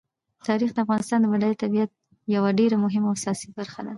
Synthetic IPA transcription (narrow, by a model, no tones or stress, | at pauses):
t̪ɑɾixd̪əafɣɑnɪst̪ɑnd̪əmad̪alit̪abiat̪̚ | jawaɖeɾamʊɦɪmawasɑsibaɾxa̰d̪a